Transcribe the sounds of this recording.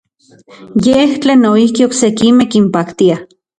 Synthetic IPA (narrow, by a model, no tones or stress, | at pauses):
jeht͡ɬeːnoihkioksekimehkimpakt̪ia